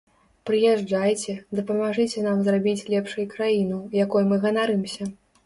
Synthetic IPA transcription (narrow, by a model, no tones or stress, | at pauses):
pɾɨjɛʐd͡ʐajt͡sʲɛd̪ɐpɐmaʐɨt͡sʲɛnamzrabʲit͡sʲlʲɛpʂɨjkɾajin̪ɐjakujumɨɣɐnaɾɨmsʲɐ